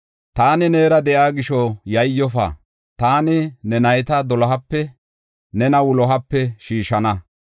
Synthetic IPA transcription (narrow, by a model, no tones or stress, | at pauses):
t̪aːnɪneːɾɐd̪ɛʔaːɡɪʃɔjɐjjːɔfɐ̰ | t̪aːnɪnɛnɐjt̪ɐd̪ɔlɐɦɐpːɛ | nɛnɐwʊlɔɦɐpːɛʃiːʃɐnɐ